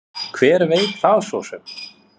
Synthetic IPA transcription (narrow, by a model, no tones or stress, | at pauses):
kʰvɛːɾveːjt̪θaðsɔwsʏm